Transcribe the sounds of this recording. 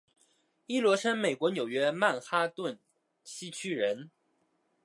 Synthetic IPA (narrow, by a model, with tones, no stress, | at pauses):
i˥lwɔ˧˥ʂə˥nme˨˩ɪkwɔ˧˥njo˨˩ʊɥɛ˥ma˥˩nxa˥t̪wə˥˩n | t͡ɕʰi˥t͡ɕʰy˥ɻə˧˥n